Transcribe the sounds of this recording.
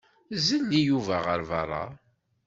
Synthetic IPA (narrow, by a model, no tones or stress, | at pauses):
zənːijuvæʁəɾvɑrˤːɑ̰